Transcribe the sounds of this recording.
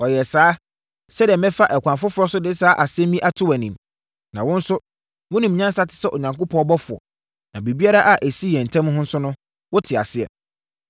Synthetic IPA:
ɔ˨jɛ˨saː˨˦ | sɛ˦di˨ɛ˨mɛ̃˦fa˦ʔɛ˨kʰʷã˨fʊ˦fʊ˦ɾɔ˦sʊ˦dɪ˦saː˨˦ʔa˨sɪ˦ɛ̃˦mĩ˦ʔa˦tʰʊ˦æ˨nĩ˨m | nã̰˨wʊ̃˦n̩˦sʊ˦ | mʊ̃˦nĩ˨m˨ɲã˦n˦sa˦tʰɪ̥˨sɛ˦ʔɔ˨ɲã˨ŋkʊ˦pʰɔ̃˦ɔ˦bɔ˦fʊ˨ɔ̰˨ | nã̰˨be˨bi˦a˦ɾa˦ʔa˨ʔæ˨si˦jɛ̃˨n̩˨tʰã˦m˦ɦʊ̃˦n̩˦sʊ˦nʊ̃˦ | wʊ˦tʰɪ˨a̰˨sɪ˦ɛ̰˨

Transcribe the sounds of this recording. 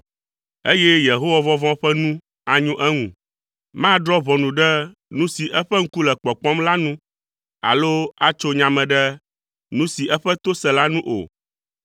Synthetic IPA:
e˦jɛ˦je˨ɦo˦wa˨vɔ̃˦vɔ̃˦ɸɛ˦nũ˦ | a˨ɲũ˦ʔɛ˦ŋũ˨ | mã˦ɖɾɔ˦βɔ˨nũ˨ɖɛ˦nũ˦si˨ʔɛ˦ɸɛ˦ŋ̩˦ku˦lɛ˨k͡pɔ˨k͡pɔ̃˦mla˦nũ˦ | a̰˨lo˦a˦t͡ʃo˦ɲã˨mɛ̃˨ɖɛ˦ | nũ˦si˨ʔɛ˦ɸɛ˦t̪o˦sɛ˨la˦nũ˦ʔo̰˨

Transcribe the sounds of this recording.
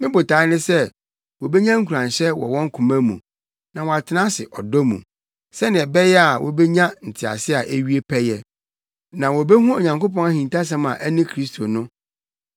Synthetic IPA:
mɪ̃˦bʊ˨tʰaː˨˦nɪ̃˦sɛ˦ | wɔ˨be˦ɲã˦ŋ̩˦kʰu˨ɾã˨n˨ɕɛ˦wɔ̰˨wɔ̃˦ŋ̩˦kʰũ˨mã˦mṵ̃˨ | nã˨wɔ˨a˨tʰɪ˦nã˦sɪ̰˨ʔɔ̰˨dɔ˦mṵ̃˨ | sɛ˦nɪ̃˨ɛ˨bɛ˦jɛ˦a˨wʔɔ̰˨bɛ˦ɲã˦n̩˨tʰɪ˨a̰˨sɪ˦a˨ʔe˦ɥi˦e˦pʰɛ˦jɛ˦ | nã˨wɔ˨bɛ˦ɦũ˦o˨ɲã˨ŋko˦pɔ̃˦ŋa˦hĩ˨nta˦s̬ɛ̃˦mã̰˨ʔæ˦nɪ̃˦kʰɾi˦stʰo˨nʊ̃˦

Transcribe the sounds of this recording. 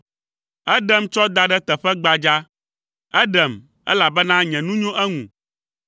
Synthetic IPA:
ɛ˦ɖɛ˨mt͡ʃɔ˦d̪a˨ɖɛ˦t̪ɛ˨ɸɛ˦ɡ͡ba˨d͡ʒa˦ | ɛ˦ɖɛ˨m | ɛ̰˦la˨bɛ˦nã˦ɲɛ̃˨nũ˦ɲõ˦ʔɛ˦ŋũ˨

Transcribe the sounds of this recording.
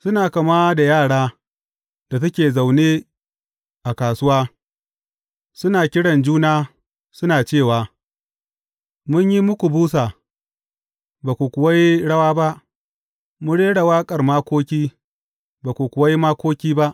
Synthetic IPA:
sʊ˦naː˨kɐ˨maː˦da˨jaː˦˨ɽaː˦ | d̥a˨t̬a˦kʲeː˨za˨wneː˦ | ʔa˨kaː˨sʊ˦waː˦ | sʊ˦naː˨kʲɪ˦ɽɐ˨nd͡ʒuː˦naː˦ | sʊ˦naː˨t͡ʃeː˦˨waː˨ | mʊ˦ɲji˦mʊ˦kʷu˨buː˦saː˨ | baː˨kʷu˨kʷʊ˨wa˦jɽɐ˦waː˦ba˦ʔ | mʊ˦nɽeː˦ɽa˨waː˦kʼɐ˨rmaː˦kʷoː˦kʲiː˦ | baː˨kʷu˨kʷʊ˨wa˦jmaː˦kʷoː˦kʲiː˦ba˦ʔ

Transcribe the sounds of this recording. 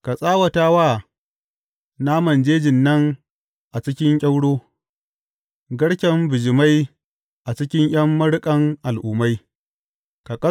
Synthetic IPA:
ka˨sʼaː˦wɐ˨taː˦waː˦˨ | na˦mɐ˨nd͡ʒeː˦d͡ʒɪ˨nːɐ˦ŋ | ʔa˨t͡ʃɪ˦kʲɪ˦ŋkʲʼɐ˦wɽoː˦ | ɡɐ˦ɽkʲɐ˦mbɪ˨d͡ʒɪ˨ma˦j | ʔa˨t͡ʃɪ˦kʲɪ˦ŋj̰ɐ˦mːɐ˦ɽkʼɐ˦ŋʔa˨lʔuː˨ma˦j | ka˨kʼɐ˦

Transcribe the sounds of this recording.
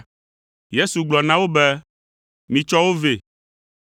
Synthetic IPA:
je˦su˨ɡ͡blɔ˨nã˦wo˦bɛ˦ | mĩ˨t͡ʃɔ˦wo˦ve˨

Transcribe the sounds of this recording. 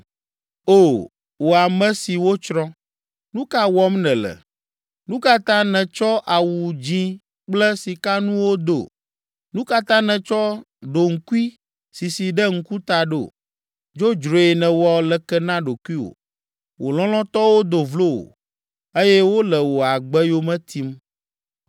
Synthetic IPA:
o˦˨ | wo˨a˨mɛ̃˦si˨wo˦t͡ʃɾɔ̃˦ | nũ˦ka˦wɔ˦mnɛ̃˨lɛ̰˨ | nũ˦ka˦t̪ã˦nɛ̃˨t͡ʃɔ˦ʔa˨wu˨d͡ʑĩ˦ | k͡plɛ˦si˨ka˦nũ˦wo˦d̪o̰˨ | nũ˦ka˦t̪ã˦nɛ̃˨t͡ʃɔ˦ | ɖo˨ŋ̩˨ku˦i˦ | si˨si˨ɖɛ˦ŋ̩˦ku˦t̪a˨ɖo˦˨ | d͡ʒo˦d͡ʒɾo˨e˨nɛ̃˨wɔ˦lɛ˨kɛ˦nã˦ɖo˨ku˦i˦wo̰˨ | wo˨lɔ̃˦lɔ̃˦t̪ɔ˦wo˦d̪o˨vlo˦wo̰˨ | e˦jɛ˦wo˦lɛ˨wo˨a˨ɡ͡bɛ˦jo˦mɛ̃˦t̪ʰi˦m

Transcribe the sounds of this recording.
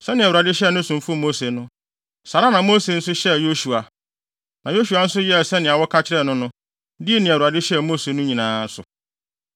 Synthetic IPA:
sɛ˦nɪ̃˨a˨u˨a˨dɪ˦ɕɛ˦˨nʊ̃˦sʊ̃˨m˨fʊ˦˨mo˦se˨nʊ̃˦ | sa˨ɾa˦nã˨mo˦se˨n̩˦sʊ˦ɕɛ˦˨jo˦su˨a˨ | nã˨jo˦ɕu˨a˦n̩˦sʊ˦jɛ˦˨sɛ˦nɪ̃˨a˨wɔ˦kʰa˦t͡ɕʰɪ˦ɾɛ˦˨nʊ̃˦nʊ̃˦ | dɪ˦e˦nĩ˨a˨u˨a˨dɪ˦ɕɛ˦˨mo˦se˨nʊ̃˦ɲĩ˨nãː˦n˦sʊ˨

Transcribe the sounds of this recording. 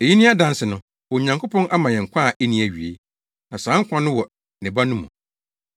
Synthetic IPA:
e˨ji˦nĩ˦a˦dã˦n˦sɪ˨nʊ̃˦ | wɔ˨ɲã˨ŋkʰo˦pʰɔ̃˦nʔa˦mã˨jɛ̃˨ŋ̩˨kʷʰã˦˨ʔe˦nĩ˨˦æ˨ɥi˨e˦ | nã˨sãː˨˦ŋ̩˦kʷã˦nʊ̃˦wɔ˨ | nɪ̃˨ba˦nʊ̃˦mṵ̃˨

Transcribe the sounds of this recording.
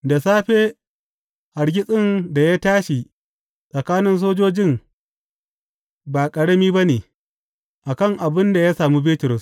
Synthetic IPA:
da˨saː˦ɸeː˦ | ʔa˨ɽɡʲɪ˦sʼɪ˦nda˨ja˦taː˦ʃi˨ | sʼɐ˨kaː˦nɪ˦ns̬oː˦d͡ʒoː˦d͡ʒɪ˦˨ŋ | baː˨kʼɐ˨ɽɐ˦miː˦ba˦neː˨ | ʔa˨kɐ˦˨ŋʔa˨bɪ˦nda˨jaː˦saː˨mu˦bɪ˦tʊ˨ɾʊ˨s

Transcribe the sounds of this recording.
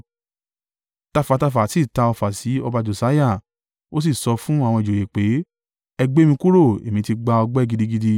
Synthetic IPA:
ta˧fa˨ta˧fa˨si˦˨ta˧ɔ˧fa˨si˨˦ɔ˧ba˧d͡ʒo˨sa˨˦ja˦˨ | o˦s̬i˦˨sɔ˧fũ˦a˨w̃ɔ̃˧i˨d͡ʒo˨je˨k͡pe˨˦ | ɛ˧ɡ͡be˦mĩ˧ku˦ɾo˦˨ḛ˨mĩ˧ti˧ɡ͡ba˧ɔ˧ɡ͡bɛ˦˨ɡi˧di˧ɡi˦˧di˧

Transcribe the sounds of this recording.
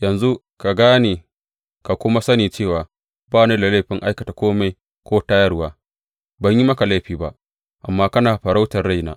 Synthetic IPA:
jɐ˨nzu˦ | ka˨ɡaː˦neː˨ | ka˨kʷʊ˦ma˦sɐ˦niː˨t͡ʃeː˦˨waː˨ | baː˦neː˦da˨la˦jɸɪ˦ŋʔa˦jkɐ˨ta˨kʷoː˦ma˨j | kʷoː˦taː˦jɐ˦rwaː˦ | bɐ˨ɲji˦mɐ˦ka˨la˦˨ɸiː˨ba˦ʔ | ʔa̰˨mːaː˦kɐ˦naː˨ɸɐ˨ɾa˦wtɐ˨rːa˦jna̰ː˦ʔ

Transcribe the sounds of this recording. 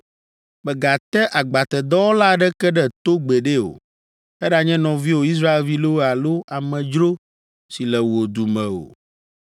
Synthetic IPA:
mɛ˨ɡa˨t̪ɛ˦ʔa˨ɡ͡ba˨t̪ɛ˨d̪ɔ˦wo˦la˦ɖɛ˦kɛ˦ɖɛ˦t̪o˦ɡ͡bɛ˨ɖe˦o̰˨ | ɛ˦ɖa˨ɲɛ̃˦nɔ̃˨vi˦wo˨i˦s̬ɾa˦e˨lvi˦lo˦wa˨lo˦a˨mɛ̃˨d͡ʒɾo˦ | si˨lɛ˨wo˨d̪u˨mɛ̃˨o̰˨

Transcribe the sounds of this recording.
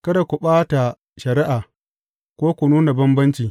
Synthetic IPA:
kɐ˦da˨kʷu˨ɓaː˦ta˨ | ʃɐ˨ɾɪ˦ʔaː˨ | kʷoː˦kʷu˨nuː˦na˨bɐ˦mbɐ˦nt͡ʃiː˨

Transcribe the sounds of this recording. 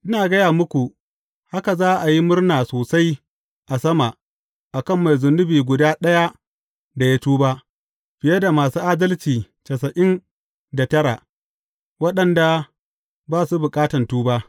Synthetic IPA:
ʔɪ˦naː˨ɡɐ˦jaː˨mʊ˦kʷu˨ | ha˦ka˨zaː˦ʔa˨ji˦mʊ˦rnaː˨soː˨sa˦j | ʔa˨sɐ˦ma˨ | ʔa˨kɐ˦˨mːa˨jzʊ˨nːʊ˦biː˨ɡʷʊ˨daː˦ɗɐ˦ja˦ | da˨ja˦tuː˦baː˦ | ɸɪ˨jɐ˦da˨maː˨suː˦ʔaː˦dɐ˦lt͡ʃiː˨ | t͡ʃɐ˨s̬ɐ˨ʔɪ˦n | da˨tɐ˦ɾa˨ | wɐ˦ɗɐ˨nda˨ | baː˦su˦bʊ˨kʼaː˦tɐ˨ntuː˦baː˦

